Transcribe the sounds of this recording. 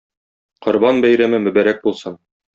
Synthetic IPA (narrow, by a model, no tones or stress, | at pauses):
qŏɾbɑnbæjɾæmɘmɵ̆bæɾæk̚bulˠsɤn